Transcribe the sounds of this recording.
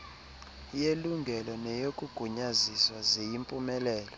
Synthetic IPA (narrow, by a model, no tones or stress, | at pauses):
jeluŋɡʱɛlɔnɛjokʼuɡ̥ʱuɲaziswazejimpʼumɛlɛːlɔ